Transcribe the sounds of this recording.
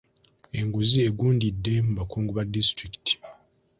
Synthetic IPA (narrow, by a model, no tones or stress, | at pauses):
e̞ŋɡuzieɡuːndidːe̞muβakuːŋɡuβadistɾiki̥ti̥